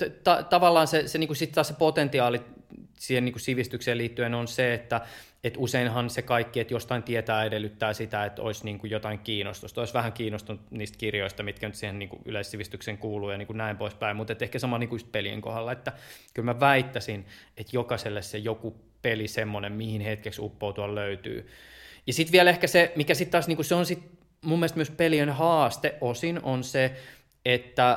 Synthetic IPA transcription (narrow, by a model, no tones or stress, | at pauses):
t̪ɑt̪ɑʋɑlːɑːnseseniːŋkussit̪ːtɑːsepot̪ent̪iɑːlisiːhenniːŋkussiʋist̪ykseːliːt̪ːyenonseet̪ːæ | et̪useinɦɑnsekɑikːiet̪jost̪ɑint̪iet̪æːedelːyt̪ːæːsit̪æet̪o̰isniːŋkujot̪ɑiŋkiːnost̪ust̪oisʋæhæŋkiːnost̪unut̪niːst̪kirjoist̪ɑmit̪kænyt̪siːheniːŋkṵʔy̰leissiʋist̪ykseŋkuːluːjɑniːŋkunæimpoispæimmut̪et̪ːehkæsɑmɑlniːŋkuyst̪̚peliḛŋko̰hɑlːɑet̪ːækylmæʋæit̪ːæsinet̪jokɑselːessejoku | pelisemːonemmihinhet̪keksṵpːout̪uɑlløyt̪y̰ːjɑsit̪ʋiɛlehkæsemikæsit̪t̪ːɑːsniŋkuseonsit̪ | mumːielest̪myøspelienhɑːst̪eʔʔosinonse | et̪ːæ